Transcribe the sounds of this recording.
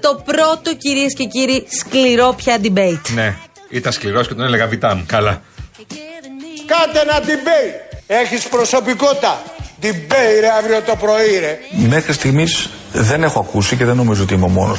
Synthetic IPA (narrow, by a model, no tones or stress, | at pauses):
t̪o̞pɾo̞t̪o̞ciɾiesce̞ciɾiskliɾo̞pçɐd̪ibejt̪ne̞ | it̪ɐnskliɾo̞ske̞t̪oneleɣɐvit̪ɐmukɐlɐ | kɐt̪enɐd̪ibejeçispɾo̞so̞pikot̪ɐd̪ibeiɾeɐvɾiot̪opɾo̞iɾeme̞xɾist̪iɣmis | ðe̞ne̞xoɐkusiceðenːo̞mizoo̞t̪iimo̞mo̞̰no̰